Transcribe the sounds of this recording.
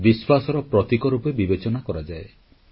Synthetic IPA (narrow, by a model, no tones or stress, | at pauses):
biswasɔɾɔpɾɔt̪ikɔɾupebibet͡ʃɔnakɔɾad͡ʒae